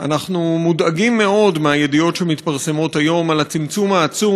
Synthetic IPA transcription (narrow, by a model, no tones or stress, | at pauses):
ʔa̰naχnumudaɡimːe̞o̞dmeaje̞dio̞tʃemit̪paʁse̞mo̞tajo̞malat͡simt͡sumaːt͡su